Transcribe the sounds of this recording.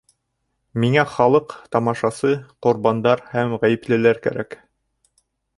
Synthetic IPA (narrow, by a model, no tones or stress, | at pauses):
miŋæχɑlˠɤqt̪ɑmɑʃɑsɤqŏɾbɑnd̪ɑɾhæmʁæjɘ̆plɘ̆læɾkæ̰ɾæk